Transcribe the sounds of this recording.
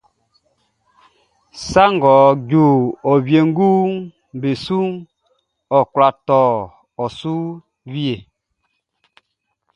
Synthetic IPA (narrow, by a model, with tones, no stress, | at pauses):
sa˦ŋɡɔ˨ɟu˨ɔ˨βje˨ŋ˦ɡu˦ | m˨be˨su˦ŋ | ɔ˨kwla˨tɔ˨ | ɔ˨su˦ | βi˦e˨